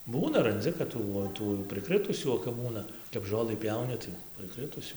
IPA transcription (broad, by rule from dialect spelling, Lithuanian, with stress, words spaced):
ˈbuːnɐ rɐnʲˈd͡zʲɪ kɐt ˈtuː oː ˈtuː jɛʊ prɨˈkrɨtʊsʲuː oː kɐp ˈbuːnɐ kɐp ˈʒoːlˠɨ ˈpʲjɛʊnʲɪ tɐɪ prɨˈkrɨtʊsʲuː